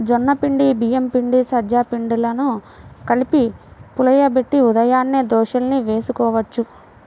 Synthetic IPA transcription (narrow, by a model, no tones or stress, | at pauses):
d͡ʒɔnːɐpiɳɖibijempiɳɖisɐd͡ʒaːpiɳɖilɐnu | kɐlipipulɐjɐbeʈːiud̪ɐjaːnːid̪ɔːʃɐlniʋe̞ːsukɔːʋɐt͡ʃːu